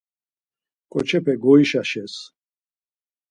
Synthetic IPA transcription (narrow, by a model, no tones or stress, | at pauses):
kʼɔt͡ʃʰɛpʰɛɡɔiʃaʃɛs